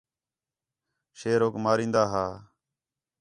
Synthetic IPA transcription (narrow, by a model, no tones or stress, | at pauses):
ʃeːɾoːkmaːɾĩːnd̪aːɦaː